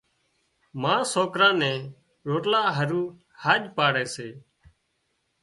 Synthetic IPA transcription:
mãːsoːkɾãːnɛ̃ː | ɾoːʈlaːɦəɾuː | haːʄpaːɽɛːseː

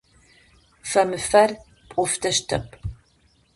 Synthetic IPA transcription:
fɐmɨfɐr | pʼʊftʰɐʂtʰɐ̰pʰʼ

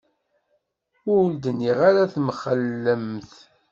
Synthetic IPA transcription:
ʊld̪ənːiʁaɾaθmχəlːəmθ

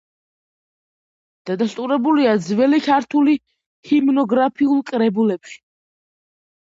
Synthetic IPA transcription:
d̪̥ad̪ast̪ʼuɾɛbuliad̪zvɛlikʰaɾt̪ʰuli | himnɔɡɾapʰiulˠkʼɾɛbulɛpʃi̥

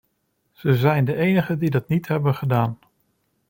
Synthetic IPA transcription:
z̥əzɛjndəʔejnəχədidɑtnitɦɛbənχədaːn

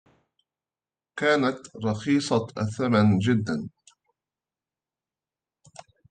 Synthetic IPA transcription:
kaːnat̪ɾˤɑxiːsˤɑʔaθːamand͡ʒɪd̪ːan

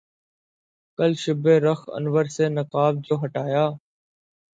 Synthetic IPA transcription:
kəlʃʊbeːɾəxə̰nʋəɾseːnəkaːbzoːɦəʈaːjaː

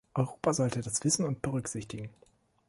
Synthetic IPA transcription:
ʔɔʏʁoːpazɔltədasv̥ɪsn̩ʊnt̚b̥əʁʏkz̥ɪçtɪɡŋ̩

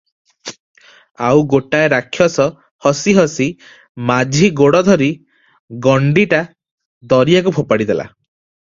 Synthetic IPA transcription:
awɡoʈaeɾakʰːjɔsɔ | hɔsiɦɔsi | mad͡ʒʱiɡoɽɔd̪ʱɔɾi | ɡɔɳɖiʈa | d̪ɔɾijakupʰopaɽid̪ela̰

